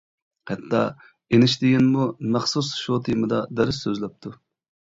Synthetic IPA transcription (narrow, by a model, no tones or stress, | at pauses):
hɛt̪ʰːɑ | enɪʃt̪ɪɡʲinmumæχsusʃut̪ʰimɨd̪ɑd̪ɛɾɪsːøzlɛp̚t̪ʰu